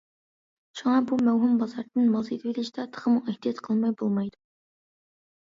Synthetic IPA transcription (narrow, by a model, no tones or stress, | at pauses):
ʃuŋɑbumæwɦʊmbɑzɑɾd̪ɨnmɑlˠset̪bilɪʃt̪ɑt̪ʰə̥ʁəmʊŋæht̪ijɑt̪qʰəlˠmɑjbolˠmɑjd̪ʊ